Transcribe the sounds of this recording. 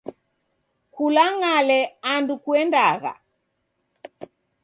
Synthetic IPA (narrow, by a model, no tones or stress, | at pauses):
kulaŋalɛandukwɛndaɣa̰